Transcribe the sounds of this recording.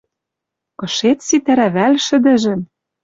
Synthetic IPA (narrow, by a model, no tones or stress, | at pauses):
kɤ̆ʃet̪sit̪æɾæβælʲʃɘ̆d̪ɘ̆ʒɘ̆m